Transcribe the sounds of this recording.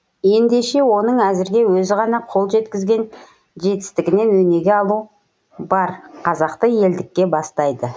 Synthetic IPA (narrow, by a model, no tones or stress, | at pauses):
je̞nd̪e̞ʃe̞wo̞nəɴæzɪɾɡʲe̞wɵzɪʁɑnɑqʰo̞lˠʒe̞t̪kʲɪzɡʲe̞n | ʒe̞t̪ɪ̥st̪ɪɡʲɪne̞nwɵne̞ɡʲe̞ɑlˠu | bɑɾqʰɑzɑqt̪əje̞ld̪ɪkʲːe̞bɑst̪ɑjd̪ə